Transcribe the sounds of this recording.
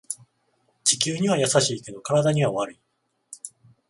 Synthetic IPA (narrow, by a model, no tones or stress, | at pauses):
t͡ɕi̥kʲɨːɲ̟iβajasaɕiːke̞d̪o̞kaɾad̪aɲ̟iβaβaɾɯ̟i